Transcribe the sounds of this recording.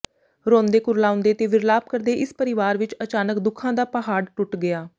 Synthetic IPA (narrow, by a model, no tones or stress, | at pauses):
ɾõːnd̪eːkʊɾlaːʊ̃nd̪eːt̪eːʋɪɾlaːp̚kəɾd̪eːʔɪspəɾɪʋaːɾʋɪt͡ʃət͡ʃaːnəkd̪ʊkʰãːd̪aːpəɦaːɖʈʊʈɡɪaː